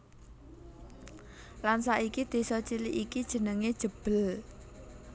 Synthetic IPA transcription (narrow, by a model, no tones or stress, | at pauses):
lansaʔikid̪̥e̤sɔt͡ʃiliʔikid̥ʒ̥ə̤nəŋed̥ʒ̥ə̤b̥ə̤l